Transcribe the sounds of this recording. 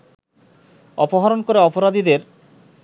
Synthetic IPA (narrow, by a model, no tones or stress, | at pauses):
ɔpoɦaɾonkoɾeɔpoɾad̪id̪eɾ